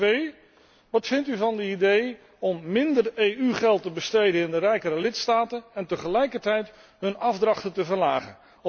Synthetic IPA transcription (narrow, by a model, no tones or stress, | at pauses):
ej | ʋɑtfɪntyvɑndəidej | ɔmːɪndərejyχɛlˠtəbəstejdənɪndərɛjkəɾəlɪtstaːtənɛntəχəlɛjkəɹtɛjt | ɦɵnɑvdrɑχtəntəvəɹlaːχə̰n